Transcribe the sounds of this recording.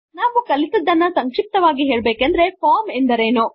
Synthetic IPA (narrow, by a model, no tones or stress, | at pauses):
naːʋukɐlit̪ɐd̪ːɐnːɐsɐŋkʂip̚t̪ɐʋaːɡiɦeːɭbeːkɐnd̪ɐɾe̞pʰaːmend̪ɐɾeːnu